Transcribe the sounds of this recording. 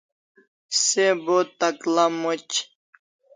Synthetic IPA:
sebot̪aklamut͡ɕ

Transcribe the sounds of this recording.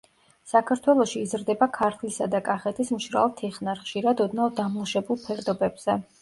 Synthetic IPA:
sakʰaɾt̪ʰwɛlˠɔʃiːzɾd̪ɛbakʰaɾt̪ʰlisad̪akʼaχɛt̪ʰismʃɾa̰lˠt̪ʰiχnaɾχʃiɾad̪ɔd̪navˠd̪amlˠuʃɛbulˠpʰɛɾd̪ɔbɛbz̥ɛ

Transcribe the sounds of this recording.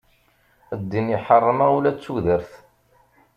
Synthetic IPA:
əd̪ːiniħərˤːəməulæt͡sːuðəɾθ

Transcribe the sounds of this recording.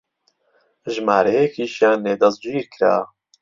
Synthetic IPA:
ʒmaːɾɛjekʰiːʃjaːneːd̪ɑzd͡ʒuiːɾkʰɾa̰ː

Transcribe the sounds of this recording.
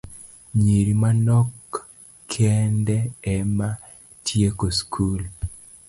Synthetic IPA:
ɲiɾimanɔkːʰ | ɛndɛɛma | tʰjekoskʰul

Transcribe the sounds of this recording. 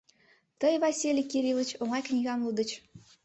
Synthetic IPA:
t̪ɤjvɑsʲilʲikʲiɾʲilʲˠə̆t͡ɕuŋɑjknʲiɣɑmlˠud̪ɤ̆t͡ɕ

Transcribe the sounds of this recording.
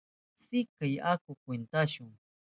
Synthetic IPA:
sɪkajakʊkwent̪aʃʊŋ

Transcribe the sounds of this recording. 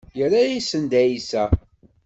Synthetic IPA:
jəɾajisənd̪æjisæ

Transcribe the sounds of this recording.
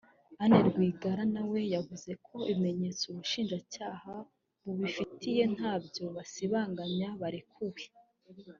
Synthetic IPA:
aneɾɡwiːɡaɾanawe̞javuze̞kʰo̞iβime̞ɲe̞t͡souβuʃiːnʒacaːha | βuβifitʰije̞n̥haːbjo̞βasiβaːŋɡaɲaβaɾikʰuwe

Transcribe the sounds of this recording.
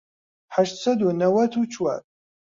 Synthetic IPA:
ħaʃt͡sʰɐdʊnɐwɐtʰut͡ʃʰwa̰tʼ

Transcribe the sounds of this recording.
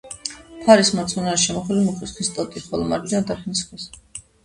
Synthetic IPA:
pʰaɾismat̪sʼunaɾʃɛmɔχlimuχisχist̪ʼɔt̪ʼiχɔlɔmaɾd̪iad̪aɾχnisχʰɛs

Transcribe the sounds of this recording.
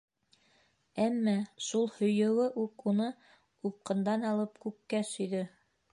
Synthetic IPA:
æmːæʃulˠhɵ̆jɘ̆wɘʔuqunɤ | up̚qɤ̆nd̪ɑnɑlˠɤpkʉkːæsɵ̆jðɵ

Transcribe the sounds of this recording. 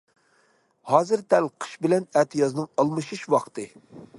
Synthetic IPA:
hɑːzɨɾd̪ɛlqʰə̥ʃbɪlɛnɛːt̪ʰɨjɑznɨŋɑlˠmɨʃuʃwɑqt̪ɨ

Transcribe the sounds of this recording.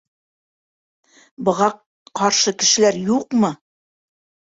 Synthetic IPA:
bɤ̆ʁɑ | qɑɾʃɤkɘ̆ʃɘ̆læɾjuqmɤ

